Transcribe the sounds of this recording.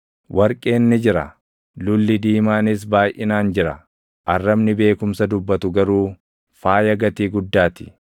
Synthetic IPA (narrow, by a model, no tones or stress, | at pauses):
wʔɐɾkʼeːnːɪd͡ʒɪɾɐ̰ | lʊlːɪd̪iːmaːnɪs̬baːjʔɪnaːnd͡ʒɪɾɐ | ʔɐrːɐbnɪbe̞ːkʊmsɐd̪ʊbːɐt̪ʊɡɐɾuː | faːjɐɡɐt̪iːɡʊd̪ːaːt̪ɪ̥